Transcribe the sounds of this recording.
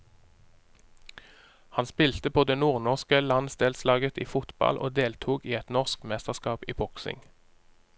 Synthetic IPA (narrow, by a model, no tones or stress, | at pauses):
hɑnspɪlt̪əpʰoːd̪eːnuːʁnɔʁskəlɑnsd̪eːlslɑːɡət̪iːfʊt̪bɑ̰lʔo̰ːd̪eːlt̪ʰuːɡiːɛt̪nɔʁskmɛst̪əʁskɑːpḭːbɔksɪ̰ŋ